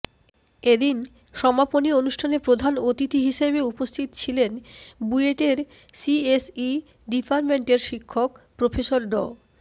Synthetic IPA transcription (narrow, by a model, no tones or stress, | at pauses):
ed̪in | ʃɔmaponionuʃʈʰanepɾod̪ʱanot̪itiɦiʃebeupost̪ʰit̪ot͡ɕʰilenbueʈeɾ | siesi | ɖipaɾmeɳʈeɾʃikʰːokpɾofʰeʃoɾɖɔ̰